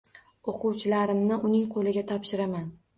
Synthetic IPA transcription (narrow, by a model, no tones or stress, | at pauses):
oqʊwt͡ʃʰɪlaɾɪmnɪʔʊnɪŋqʰolɪɡʲat̪ʰɒpʃɪɾaman